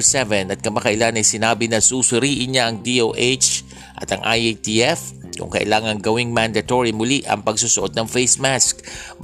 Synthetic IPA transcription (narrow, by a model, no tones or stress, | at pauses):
sɛvɛnɐt̪̚kɐmɐkɐʔɪlanɐjsɪnaːbɪnɐsusʊɾiːʔɪnɲaʔɐŋd̪iʔowʔet͡ʃ | ʔɐ̰t̪ɐŋʔajt̪iʔɛfkʊ̰ŋkɐʔɪ̰laːŋɐŋɡɐwiŋmand̪ɐt̪oɹimʊliʔɐ̰ŋpɐɡsusʊʔo̞t̪̚nɐŋfejsmask